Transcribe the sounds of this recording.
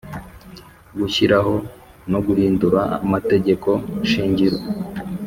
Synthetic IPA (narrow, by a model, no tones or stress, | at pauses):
ɡuçiɾaɦo̞ | no̞ɡuhiːnduɾaa̰mate̞ɟe̞ko̞ʃiːɲɟiɾo